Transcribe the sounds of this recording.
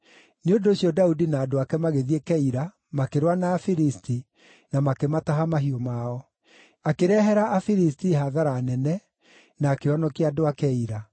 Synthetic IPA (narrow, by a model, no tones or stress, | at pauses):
neondoɕiɔdaudinaːdoakɛmaɣeðiekɛiɾa | makeɾwanaːfiɾisti | namakemataɦamaɦiɔmaɔ | akeɾɛɦɛɾaʔːfiɾis̬tiɦaðaɾaːnɛnɛ | naːkeɔnɔkiadoakɛiɾa